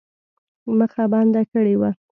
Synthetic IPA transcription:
məxabɑnd̪akəɽewa

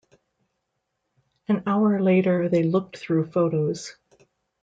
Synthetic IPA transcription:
ɨ̃naʊə˞leɪɾə˞ðeɪlʊk̚tθɹʉfoʊɾoʊz̥

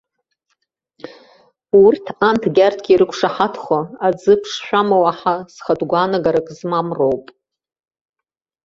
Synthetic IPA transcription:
urtʰantʰɡʲartʰɡʲiɾɨkʷʰʂaħatʰχʷaad͡zɨpʰʂʃʷᶣamawaħasχadɡʷaːnaɡaɾakʼzmamrowpʼ

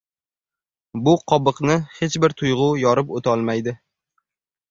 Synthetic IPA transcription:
bʊqʰɒbɨqnɪhe̞t͡ʃbɪɾt̪ʰʊjʁʊjɒɾɪpot̪ʰɒlˠmajd̪ɪ

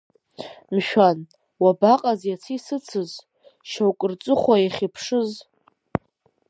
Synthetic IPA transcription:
mʃᶣan | wabaqʼazjat͡sʰisɨt͡sʰɨz | ʃawkʼɨrt͡sʼɨχʷaiχʲipʰʂɨz

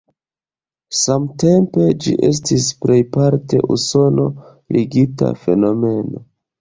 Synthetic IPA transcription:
samte̞mpe̞d͡ʒḭʔe̞s̬tispɾe̞jpaɾte̞̰ʔuso̞no̞ | lʔiɡita̰fe̞no̞me̞no̞

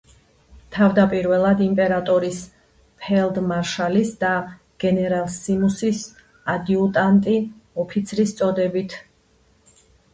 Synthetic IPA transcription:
t̪ʰavd̪apʼiɾvɛlˠad̪impʼɛɾat̪ʼɔɾis | pʰɛld̪maɾʃalisd̪a | ɡ̥ɛnɛɾalˠsimusis | ad̪iut̪ʼant̪ʼiɔpʰit̪sʰɾist̪sʼɔd̪ɛbit̪ʰ

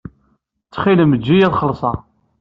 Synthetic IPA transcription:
t͡sːχiləmd͡ʒːijæðˤχəlsˤɑ

